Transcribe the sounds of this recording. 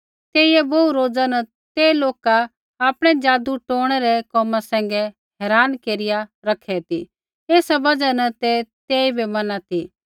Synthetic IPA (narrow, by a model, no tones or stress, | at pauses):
t̪eːiɛboːuɾoːd͡zanə | t̪eːloːka | aːpɽ̃ɛd͡ʒaːd̪uʈoːɽ̃ɛɾɛkɔːmasɛ̃ːŋ̆ɡɛ | ɦɛːɾaːnkeːɾɪjaɾɐkʰɛt̪i | eːsabɐd͡ʒanɐt̪et̪eːibʱɛmɐnat̪i